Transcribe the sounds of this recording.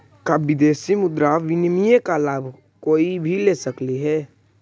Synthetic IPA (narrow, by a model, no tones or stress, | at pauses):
kaɪd̪eːsimʊd̪ɾaʋɪnmijekalaːbʱ | koːibʱileːsəkliɦɛː